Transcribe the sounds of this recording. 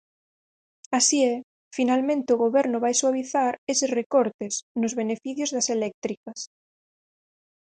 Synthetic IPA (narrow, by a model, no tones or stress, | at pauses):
asiɛ | finalmẽnt̪eoɣoβ̞ɛɾnoβajswaβ̞iθaɾesesrekoɾt̪esnozβenefiθjozðaselɛk̚t̪ɾikɐs